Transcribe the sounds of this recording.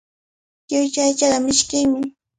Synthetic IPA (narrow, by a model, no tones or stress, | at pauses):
jʊjt͡ʃajt͡ʃaɢamɪʃkɪŋmɪ